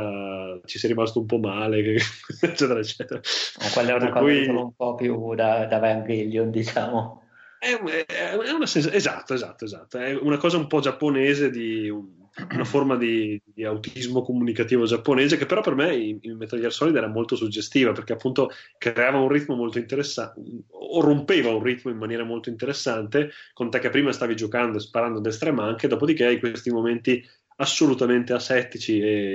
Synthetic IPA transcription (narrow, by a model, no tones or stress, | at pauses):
t͡ʃisɛɾimast̪oump̬ɔmaːlekeet͡ʃːɛːt̪eɾaet͡ʃːɛːt̪eɾaakwalːɛekalkujioumpɔpjud̪ad̪avaaŋɡiljond̪it͡ʃaːmo | ɛɛɛuɛunasɛnsaezat̪ːoezat̪ːoezat̪ːoɛunakɔːzaumpɔd͡ʒapːoneːzed̪iun | unaformad̪id̪iiawt̪izmokomunikat̪iːvod͡ʒapːoneːzekepːeɾɔpːermɛiimet̪aʎːersɔːlid̪ɛːɾamolt̪osud͡ʒest̪iːvaperk̟eapːunt̪o | kɾɾeaːvaunrit̪momolt̪oint̪eɾesːa | rompeːvaunrit̪moimːanjɛːɾamolt̪oint̪eɾesːant̪ekont̪ɛkːepːɾiːmast̪aːvid͡ʒokand̪oespaɾand̪oad̪est̪ɾɛːmaaŋk̟ed̪oːpod̪ikeaikwest̪imoment̪i | asːolut̪ament̪easːɛt̪ːit͡ʃie